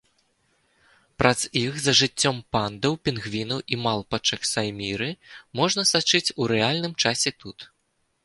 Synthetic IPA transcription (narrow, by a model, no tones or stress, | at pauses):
pɾʔazixzɐʐɨt͡sʲːɔmpand̪ɐwpʲinɣvʲinɐʔimalˠpɐt͡ʂɐxsajmʲiɾɨmɔʐnɐsat͡ʂɨt͡sʲuɾɛalʲnɨmt͡ʂasʲɛt̪ut̪